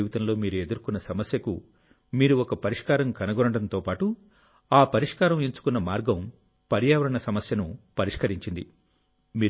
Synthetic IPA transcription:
iʋit̪ɐmlo̞ːmiːɾue̞d̪uɾkunːɐsɐmɐsjɐkṵ | miːɾuɔkɐpɐɾiʂkaːɾɐmkɐnɐɡɔɾɐɳɐɽɐnt̪o̞ːpaːʈu | aːpɐɾiʂkaːɾɐmiɲt͡ʃu̥kunːɐmaːɾɡɐm | pɐɾjaːʋɐɾɐɳɐsɐmɐsjɐnupɐɾiʂkɐɾiɲt͡ʃind̪ḭ | miː

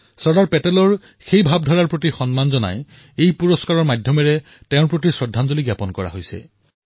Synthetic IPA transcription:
sɔɹdaɹpɛtɛlɔɹ | xejbʱab̚dʱɔɹaɹpɹot̬ixɔnmanzɔna̰j | ejpuɹɔskaɹɔɹmadʱjɔmɛɹɛ | tɛʊ̃ɹpɹot̬isɹɔdʱːanzoliɡjapɔnkɔɹa̰ɦojsɛ̰

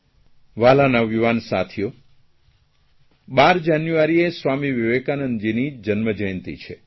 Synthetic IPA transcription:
ʋalanaʋiʋansa̰t̪ʰijo | baɾd͡ʒanjuaɾiesʋamiʋiʋekanənd͡ʒinid͡ʒənməd͡ʒəjənt̪ḭt͡ʃʰe

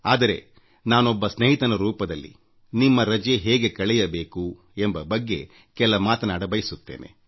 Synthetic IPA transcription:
aːd̪ɐɾe̞̰ | naːnɔbːɐsneɦit̪ɐnɐɾuːpɐd̪ɐlːḭ | nimːɐɾɐd͡ʒeɦeːɡe̞kɐɭɛjɐbe̞ːku | embɐbɐɡːe̞ | kɛlːɐmaːt̪ɐnaːɽɐbɐjisut̪ːe̞̰ːne̞̰

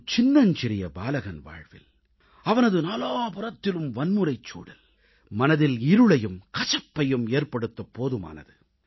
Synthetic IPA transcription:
t͡ʃɪnːɐnt͡ʃɪɾɪjɐbaːlɐɣɐnʋa̰ːɻʋɪ̰l | ɐʋɐnɐðɯnaːlaːpɐɾɐt̪ːɪlɯmʋɐnmɯɾɐɪt͡ʃːṵːɽɐl | mɐnɐðɪlɪɾɯɭɐjɯmkɐt͡ʃɐpːɐjɯmeːrpɐɽɯt̪ːɐpːoːðɯma̰ːnɐ̰ðɯ

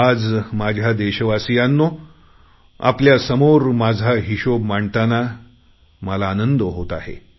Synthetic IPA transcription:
ad͡zmad͡ʑʱjad̪eɕəʋasijanːo | a̰pljasəmoɾmad͡zʱaɦiɕomaɳt̪ana | məlaːnənd̪əɦot̪aɦḛ

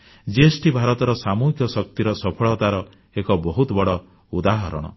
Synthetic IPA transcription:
d͡ʒesʈʰibʱaɾɔt̪ɔɾɔsamukʰjɔsɔk̚t̪iɾɔsɔpʰɔɭɔt̪aɾɔ | ekɔbɔɦut̪ɔbɔɽɔ | ud̪aɦɔɾɔ̰ɽ̃ɔ̰

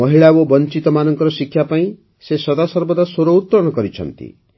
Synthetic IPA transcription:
ʌɦiɭawobɔnt͡ʃit̪ɔmanɔŋkɔɾɔsikʰːjapaĩ | sesɔd̪asɔɾbɔd̪asoɾout̪pɾɔñɔkɔɾit͡ʃʰʌ̰nt̪ḭ

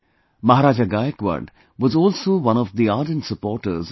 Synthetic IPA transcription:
mɐɦaɾaːd͡ʒaɡaːjəkʋə̰ɖ | ʋɔzɔːlsoːʋʌ̃ñɔvd̪iaːɖə̃nʈsəpɔːɾʈə̰ɾz

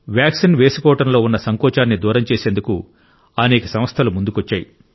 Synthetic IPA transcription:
ʋjaːksinʋeːsukɔːʋɐʈɐmlo̞ːunːɐsɐŋkɔːt͡ʃaːnːid̪uːɾɐmt͡ʃeːse̞ːnd̪uku | ɐneːkɐsɐmɐst̪ʰɐlumund̪ukoɔt͡ʃːaːji

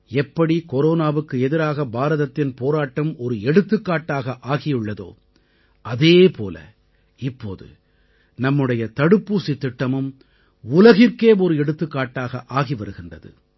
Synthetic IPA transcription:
ɛpːɐɽikɔɾoːnaːʋɯkːɯɛðɪɾaːɣɐbaːɾɐðɐt̪ːɪnpoːɾaːʈːɐmɔɾɯɛɽɯt̪ːɯkːaːʈːaːɣɐʔaːɣɪjɯɭːɐðo̰ː | ʔɐðeːpʰo̰ːlɐ̰ | ɪpːo̰ːðɯ̰ | nɐmːɯɽɐjɐt̪ɐɽɯpːuːsɪt̪ːɪʈːɐmɯm | ʊlɐɣɪrkeːɔɾɯɛɽɯt̪ːɯkːaːʈːaːɣɐʔaːɣiʋɐɾɯɣɪndrɐðɯ̰

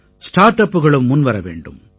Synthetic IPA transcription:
sʈaːɾʈɐpːɯɣɐɭɯmːʊnʋɐɾɐʋḛːɳɖɯ̰m

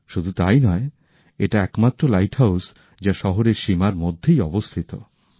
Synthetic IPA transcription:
ʃud̪ʱut̪a̰jnɔe | eʈaɛkmat̪ːɾolajʈhaws | d͡ʑaʃɔɦoɾeɾʃimaɾmod̪ʱːejɔbost̪ʰit̪o̰

